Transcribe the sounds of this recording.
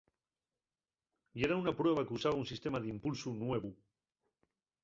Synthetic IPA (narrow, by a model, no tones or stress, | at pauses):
ieɾaunapɾweβ̞akusaβaunsist̪emaðimpulsunweβ̞u